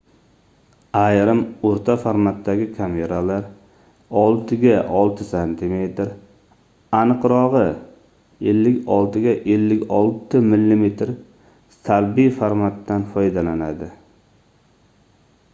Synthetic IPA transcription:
ajɾɪmoɾt̪ʰafaɾmat̪ːaɡʲɪkʲʰame̞ɾalaɾ | ɒlˠt̪ʰɪɡʲaʔɒlˠt̪ʰɪsant̪ʰɪme̞t̪ɾ | anɨqɾɒʁɨ | elːɪkʲɒlˠt̪ʰɪɡʲaʔelːɪkʲɒlˠt̪ɪmɪlːimet̪ʰɾ | salbijfaɾmat̪ːanfɒjd̪alanad̪ɪ

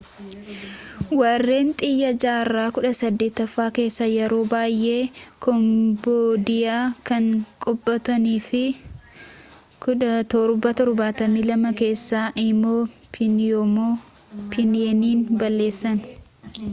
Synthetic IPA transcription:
wɐrːe̞ːnt̪ʼɪjːɐd͡ʒaːrːaːkʊᶑɐsɐd̪ːeːt̪ːɐfːaːke̞ːsːɐjɛɾo̞ːbaːjʔe̞ːkɔmboːd̪ɪjaːkɐŋkʼɔbːɐt̪ɐniːfɪ | t̪ɔɾbɐt̪ɔɾbaːt̪ɐmiːlɐmɐke̞ːsːaːʔɪmoː | mo | pʰɪnɪeːniːnbɐlːe̞ːsːɐn

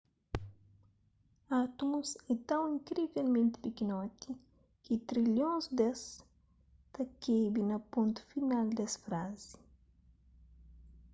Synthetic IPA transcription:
at̪ũset̪ɐ̃w̃ĩŋkɾivelmẽnt̪i̥pikinɔt̪i | kit̪ɾiljõsd̪ɛs | t̪ɐkebinɐpõnt̪u̥finald̪ɛsfɾazi̥

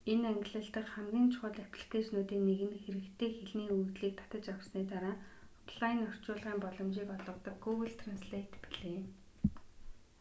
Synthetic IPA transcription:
enæŋɡʲɪ̆ɮə̆ɬt̪ə̆kχæmɡʲiːnt͡ɕʰʊ̥χə̆ɮæpʲɮə̥̆t̪eːʃnʊːt̪iːkneɣɘ̆nxeɾɘ̆kt̪ʰeːxeɮniːujt̪ɮiːk̚t̪ʰḁt̪ə̆t͡ɕawrsniːt̪aɾaːɔpʰɮaɪ̆nɔr̥t͡ɕʊːɮʁiːmpɔɮɞ̆mʃiːkɔɮɞ̆mt̪ə̆k̚ɡuɣə̆ɮt̪ʰransɮet̪pi̥ɮeː

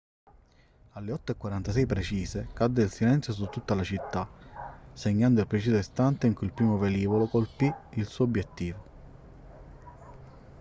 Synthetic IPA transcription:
alːeɔt̪ːoekːwaɾant̪as̬ɛjpɾet͡ʃiːzekad̪ːeilsilɛnt̪sjos̬ut̪ːut̪ːalat͡ʃit̪ːa | seɲːand̪oilpɾet͡ʃiːzoist̪ant̪eiŋkuilpɾiːmoveliːvolokolpiilsuːobjet̪ːiːvo

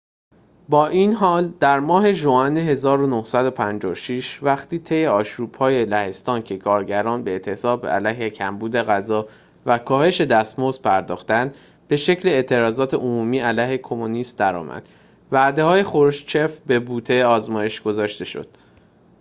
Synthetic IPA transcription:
bɒːʔiːnɦɒːld̪̥æɾmɒːɦe̞ʒoæneɦe̞zɒːɾo̞nohsæd̪o̞pʰænd͡ʒɒ̰oʃiʃvæxt̪iːt̪ʰe̞jeɒːʃɾuːb̥hɒːje̞læhe̞st̪ɒːncʰe̞kʰɒːɾɟæɾɒːnbe̞ːt̪ʰe̞sɒːbæ̰læjɦecʰæmbuːd̪e̞ɣæzɒː | vækʰɒːhe̞ʃe̞d̪æst̪mozpʰæɾd̪ɒ̰ːxt̪ænd̪ | be̞ʃe̞cʰle̞ːʔt̪ʰe̞ɾɒːzɒːt̪ʰe̞ʔomuːmiːælæjhe̞kʰo̞monist̪d̪æɾɒ̰ːmʔæ̰d̪̥ | væʔd̪e̞hɒːje̞xoɾʃt͡ʃʰe̞fbe̞buːt̪ʰeɒːzmɒːje̞ʃɡ̥o̞zɒːʃt̪e̞ʃo̰d̪̥

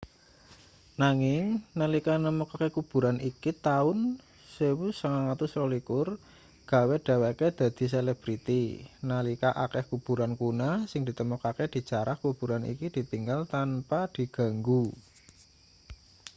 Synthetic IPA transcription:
naŋɪŋnalikanəmukakekub̥ṳɾanikit̪aʊn | sewusəŋaŋat̪usrolikʊr | ɡ̥a̤weɖ̪̥a̤waked̪̥ä̤d̪̥i̤s̬elɛb̥ɾit̪inalikaʔakɛhkub̥ṳɾankunasɪŋd̥i̤t̪əmɔkaked̪̥i̤̥t͡ʃaɾahkub̥ṳɾanḭkid̪̥i̤t̪iŋɡalt̪anpad̪̥i̤ɡ̥a̤ŋɡu

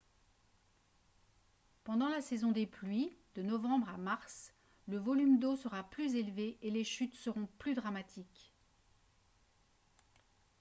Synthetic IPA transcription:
pɑ̃d̪ɑ̃lasɛzɔ̃d̪eplɥid̪̥ənɔvɑ̃bʁamaʁs | ləvɔlymd̪osəʁaplyzelveʔeleʃyt̪səʁɔ̃plyd̪ʁamat̪ʰik

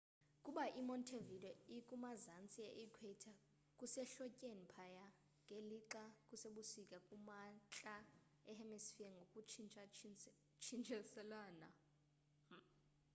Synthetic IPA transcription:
kʼuɓaʔimɔntʰevidɛikʼumazant͡sʼiaʔikʰwɛtʰa | kʼusɛɬɔcʼenipʰaja | ŋʱeliǁakʼuseɓusikʼakʼumat͡ɬʼa | ɛhɛmɛsfiɛŋɡʱokʼu | t͡ʃʰint͡ʃʰʼɛsɛlaːna̰

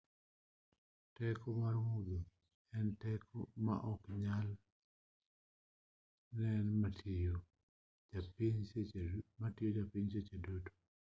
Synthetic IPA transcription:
tɛkɔmaɾwod̪o | ɛntɛkʰɔma̰ʔɔkɲal | nɛnmato | apiɲ | matijod͡ʒapiɲset͡ʃedoto̥

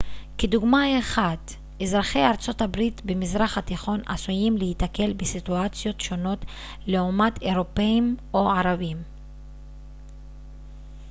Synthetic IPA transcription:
ked̪uɡmaeχad̪ | ezʁaχejaʁt͡so̞tabʁit̪bemizʁaχat̪iχo̞na̰sujimlehit̪ake̞lbesit̪uat͡sjo̞tʃo̞no̞t | le̞omat̪e̞ʁo̞peimo̞aʁavim

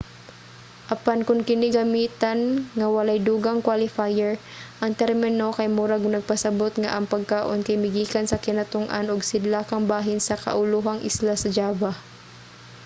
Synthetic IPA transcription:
ʔɐpankʊŋkɪnɪɡɐmiːt̪ɐnŋɐwɐlajd̪uːɡaŋkwalɪfajɛɹ | ʔɐŋt̪ɛɾmɪnokɐjmuɾaɡnɐɡ̚pɐsɐbot̪ŋa̰ʔɐŋpɐɡ̚kaːʔo̰nkɐjmɪɡiːkɐnsɐkɪnɐt̪ʊŋʔa̰nʊɡsɪd̪lakɐŋbaːɦɪnsɐkɐ̰ʔʊluɦaŋʔɪ̰slasɐd͡ʒaːba

